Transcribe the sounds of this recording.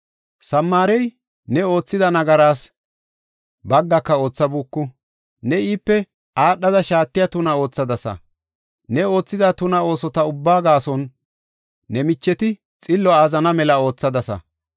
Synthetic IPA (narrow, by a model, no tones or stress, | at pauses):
sɐmːaːɾɛj | nɛo̞ːt͡sːɪd̪ɐnɐɡɐɾaːs | bɐɡːɐkːɐo̞ːt͡sːɐbuːkːʊ | nɛiːpːɛ | ʔaːɗːɐd̪ɐʃaːt̪ːɪjat̪ʊnɐo̞ːt͡sːɐd̪ɐsɐ̰ | nɛo̞ːt͡sːɪd̪ɐt̪ʊnɐo̞ːsɔt̪ɐʊbːaːɡaːsɔnː | ɛmɪt͡ʃːɛt̪ɪ | t͡sʼɪlːɔaːzɐnɐmɛlɐo̞ːt͡sːɐd̪ɐsɐ̰